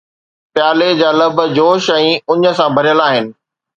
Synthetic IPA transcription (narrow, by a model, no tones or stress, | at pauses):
pjaːled͡ʑaːlɐbʱd͡ʑoːʃɛ̃ʊɲə̆sãbʱɐɾijəlaːɦɪnɪ̆